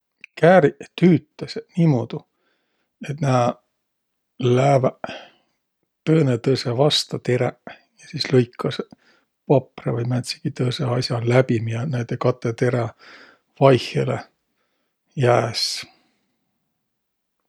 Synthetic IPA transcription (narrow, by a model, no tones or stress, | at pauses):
kæːɾit̪yːt̪ːˑɑsniːmoːd̪̥u | e̞t̪næ | læːvæ | t̪ɤːnet̪ɤsevɑst̪ɑt̪eɾæ | jɑsiːslɤjkʰːɑs | pɑprɑvɯjmæt̪si̥ɡ̥it̪ɤːseɑsʲjɑlæbimijɑnæjt̪ekɑt̪ːˑet̪e̞ɾɑ | vɑjhele | jæːs